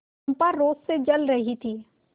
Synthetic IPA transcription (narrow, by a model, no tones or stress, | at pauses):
mpaɾoːzsed͡ʒəlɾəɦit̪ʰiː